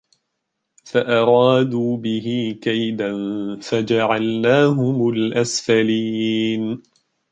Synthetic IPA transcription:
faʔɑɾˤɑːd̪uːbɪɦɪkajd̪anfad͡ʒaʕalnaːɦʊmʊlʔasfaliːn

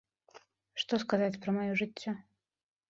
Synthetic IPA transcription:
ʂt̪ɔskazat͡sʲpɾɐmajɔʐɨt͡sʲːɔ

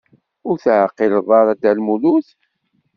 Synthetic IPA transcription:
ʊɾθʕəqːilðˤɑɾˤæd̪ælmuluθ

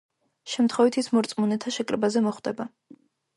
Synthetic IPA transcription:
ʃɛmt̪ʰχɔvit̪ʰismɔɾt̪sʼmunɛt̪ʰaʃɛkʼɾɛbazɛmɔχd̪ɛba

